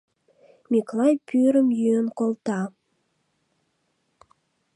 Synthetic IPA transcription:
miklɑjpʰyɾəmjyənkolt̪ɑ

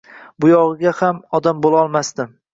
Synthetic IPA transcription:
bʊjɒʁɨɡʲahamɒd̪ambolaɒlˠmast̪ɪ

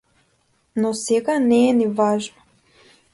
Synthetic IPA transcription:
nɔsɛɡanɛːnivaʒnɔ̥

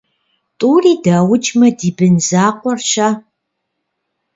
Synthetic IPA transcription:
tʼuːriːdaːwʊt͡ʃʼmɐdiːbɨnzaːqʷɔrʃaː

